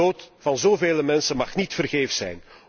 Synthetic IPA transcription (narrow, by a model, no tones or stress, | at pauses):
oːtfɑnzoːveːləmɛnsənmɑχnitfərɣeːfsɛ̰jn